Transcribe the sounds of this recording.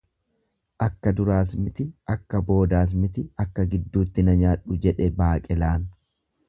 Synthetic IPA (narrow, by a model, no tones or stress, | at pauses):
ʔɐkːɐd̪ʊɾaːs̬mɪt̪ɪʔɐkːɐbo̞ːd̪aːs̬mɪt̪ɪɐkːɐɡɪd̪ːuːt̪ːɪnɐɲaːᶑʊd͡ʒɛᶑɛbaːkʼɛlaːn